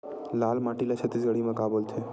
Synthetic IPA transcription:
laːlmaːʈilat͡ʃʰət̪isɡəɽimẽkaːbult̪ʰeː

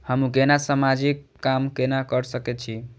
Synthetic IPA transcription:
həmukenasamad͡ʒikːamkenakəɾsəkɛt̪̚t͡ʃʰi

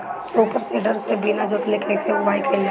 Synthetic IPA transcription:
soːpəɾseːɖəɾsebinad͡ʒʊt̪lekɛːseʊbaːikɐil

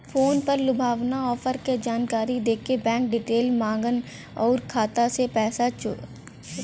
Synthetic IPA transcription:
foːnpɐɾlʊbʱaːʋnaɔːfəɾked͡ʒaːnkaːɾid̪eːkʰebɛ̃ːk̚ɖɪʈeːlmãːŋɡən | ɔːɾkʰaːt̪asepɛːsat͡ʃo̰ː

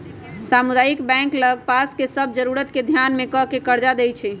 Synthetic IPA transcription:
samud̪ajikbɛ̃ŋkləɡ̚paskesəb̚ʱd͡ʒəɾuɾət̪ked̪ʱjanmekəkekəɾd͡ʒad̪ɛjt͡ʃʰɛ

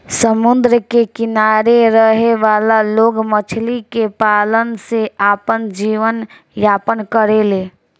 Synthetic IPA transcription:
səmund̪ɾəkekɪnaɾeɾəɦeʋaːlaloːɡmət͡ʃʰlikepaːlənseaːpənd͡ʒiʋən | jaːpənkəɾele

